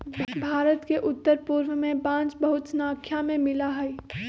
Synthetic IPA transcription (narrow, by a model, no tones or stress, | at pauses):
bʱaːɾət̪keʔʊt̪ːəɾpuːɾʋəmẽpãːt͡ʃbəɦʊt̪snaːkʰjamẽmɪlaɦɛi